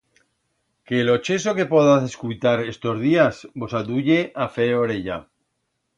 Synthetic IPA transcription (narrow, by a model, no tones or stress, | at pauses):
ke̞ːlo̞t͡ʃe̞so̞ke̞poðaθeskujt̪aɾe̞st̪o̞zðiasbo̞saðuʝe̞ʔafeoɾeʎa